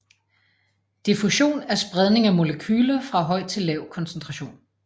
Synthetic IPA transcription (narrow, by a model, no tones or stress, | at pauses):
d̥ifuɕo̝̰ːnæɐsb̥ʁað̞ˠne̝ŋæmo̝ləkʰyːlɐfʁɑ̈ɦɒ̽ɪ̰̥t͡sʰe̝lːɛʊkʰɒ̽nsən̩t͡sʰʁɑ̈ɕo̝̰ːn